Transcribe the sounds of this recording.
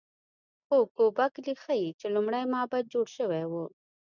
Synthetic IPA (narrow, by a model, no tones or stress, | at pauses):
xokoːbaklixait͡ʃelʊmɽajmɑːbad̪̚d͡ʒoːɽʃəwewo